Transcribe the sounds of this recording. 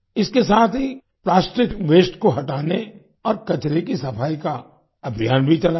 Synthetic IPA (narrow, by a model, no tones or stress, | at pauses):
ɪskesaːt̪ʰɦi | plaːsʈɪkʋeːsʈkoɦɐʈaːne | ɔːɾkɐt͡ʃɾekisɐpʰaːika | ɐbʱijaːnbʱit͡ʃɐla